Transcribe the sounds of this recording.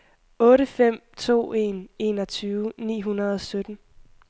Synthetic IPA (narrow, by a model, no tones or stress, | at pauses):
ɔ̽ːɾəfem̰t͡sʰo̝̰ːe̝̰ne̝ːnɒ̽t͡sʰyːʊnḭːɦunɐð̞ˠɒ̽sød̥n̩